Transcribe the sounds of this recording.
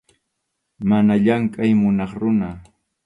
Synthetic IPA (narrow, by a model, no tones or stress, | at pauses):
manaʎaŋkʼajmʊnɑχɾʊna